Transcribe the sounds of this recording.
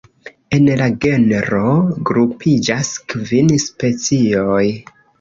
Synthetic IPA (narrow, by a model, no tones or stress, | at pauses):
e̞nlaɡe̞neɾo̞ɡɾupʰid͡ʒaskvinspe̞t͡sio̞j